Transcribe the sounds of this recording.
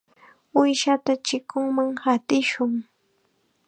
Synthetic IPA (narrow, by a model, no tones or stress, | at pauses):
ʊjʃat̪at͡ʃɪkʊŋmaŋhat̪ɪʃʊŋ